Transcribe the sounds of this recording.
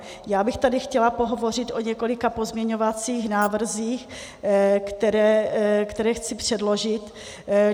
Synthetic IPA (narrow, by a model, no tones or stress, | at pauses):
jaːbɪxt̪adɪxcɛlapo̞ɦo̞vo̞r̝ɪt̪ʔo̞ɲɛko̞lɪkapo̞zmɲɛɲo̞vat͡siːxnaːvr̩ziːx | kt̪ɛɾɛːkt̪ɛɾɛːxt͡sɪpr̝̥ɛdlo̞ʒɪt̪